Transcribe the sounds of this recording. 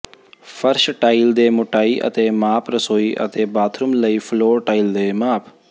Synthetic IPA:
fʰəɾʃʈaːɪld̪eːmʊʈaːiːʔə̰t̪eːmaːpʰɾəsoːiːʔə̰t̪eːbaːt̪ʰɾʊmləiːfʰloːɾʈaːild̪eːmaːpʰ

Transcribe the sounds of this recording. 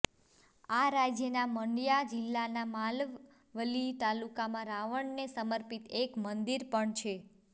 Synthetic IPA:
aɾad͡ʒjənaməɳɖjad͡ʒɪlːanamal | ʋəlit̪alukamãɾaʋəɳnesəməɾpit̪ekmənd̪iɾpəɳt͡ʃʰe

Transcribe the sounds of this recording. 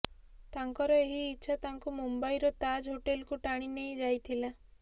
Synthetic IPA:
t̪aŋkɔɾɔeɦiːtːt͡ʃʰat̪aŋkumumbaiɾɔt̪ad͡ʒɦoʈelkuʈaɽ̃inejd͡ʒajt̪ʰila

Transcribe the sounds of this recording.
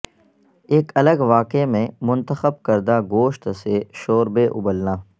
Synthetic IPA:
eːkɐləɡʋaːkemẽmʊ̃nt̪əxəb̚kəɾd̪aɡoːʃt̪seʃoːɾbeʔʊ̰bəlnaː

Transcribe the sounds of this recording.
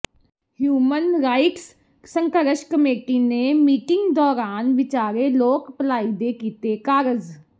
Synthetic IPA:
hjuːmənɾaːɪʈs | səŋkəɾəʃkəmeːʈiːneːmiːʈɪŋɡd̪ɔːɾaːnʋɪt͡ʃaːɾeloːkpəlaːid̪eːkiːt̪eːkaːɾəd͡ʒ

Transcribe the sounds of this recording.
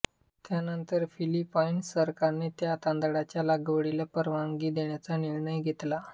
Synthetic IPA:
t̪janənt̪əɾfilipainsəɾkaɾnet̪jat̪and̪ɽat͡ɕjalaɡəʋəɽilapəɾʋaŋɡiːd̪eɳjat͡saniɾɳəjɡʱet̪la

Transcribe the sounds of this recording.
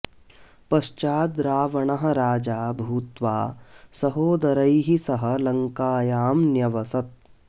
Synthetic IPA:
pɐʃt͡ʃaːd̪ɾaːʋɐɳɐɦɐ̆ɾaːd͡ʒaːbʱuːt̪ʋa̰ːsɐɦoːd̪ɐɾɐjɦisɐɦɐ̆lɐŋkaːjaːmnjɐʋɐsɐt̪̚

